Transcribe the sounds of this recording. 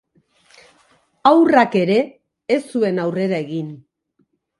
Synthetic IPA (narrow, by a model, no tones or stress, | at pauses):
awrake̞ɾe̞ː | sue̞nawre̞ɾae̞ɣin